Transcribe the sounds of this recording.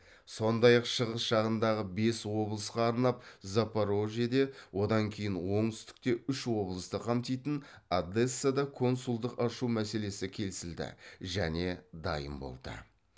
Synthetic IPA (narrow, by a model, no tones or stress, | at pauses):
so̞nd̪ɑjɑqʃəʁəsʃɑʁənd̪ɑʁəbe̞swo̞blˠəsqɑːɾnɑp̚zapaɾo̞ʒed̪e̞wʔo̞d̪ɑŋkʲʰe̞jɪnwo̞ɴt̪ʏ̥st̪ɪ̥k̚t̪e̞ʏʃwo̞blˠəst̪əqʰɑmt̪ijt̪ɪnad̪e̞sːad̪ɑkʰo̞nsulˠd̪əqɑʃumæse̞le̞sɪkʲʰe̞lɪsɪld̪ɪ̰ʒæne̞d̪ɑ̰jə̰mbo̞̰lˠd̪̥ə̰